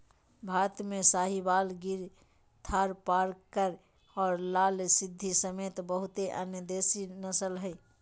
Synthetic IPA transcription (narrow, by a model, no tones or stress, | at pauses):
bʱaɾət̪mẽsaːɦibalɡiɾ | t̪ʰaɾpaɾkəɾ | ɔːɾlaːlsɪd̪ʱːisəmet̪bəɦʊt̪eʔə̰njəd̪esinəsəlɦəi